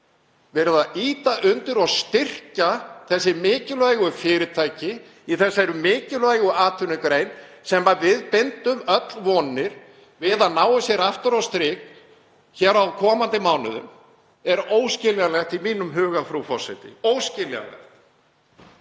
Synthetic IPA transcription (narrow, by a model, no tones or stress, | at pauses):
vɛːɾʏðaiːt̪aʔʏnt̪ʏɾɔɣst̪ɪr̥caθɛsːɪmɪːcɪlaːjɣʏfɪːɾɪt̪ʰaːjcɪ | iθɛsːaɛɾʏmɪːcɪlvajɣʏaːt̪ʰʏnɪkɾeːjnsɛmːavɪðpɪnt̪ʏmœt̪lvɔːnːɪɾ̥ | vɪðanaːwʏsjɛɾaft̪ʏɾawst̪ɾɪːk | çɛɾawkʰɔːmant̪ɪmawnʏ̰ðʏ̰m | ɛɾoːwscɪljalɛxt̪imiːnʏmɦʏːɣafɾufɔ̥sɛjt̪ɪ̰oːwscɪlja̰lɛ̰xt̪